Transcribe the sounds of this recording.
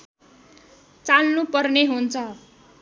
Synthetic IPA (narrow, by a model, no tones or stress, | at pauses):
t͡salnupʌrneɦunt͡sʰʌ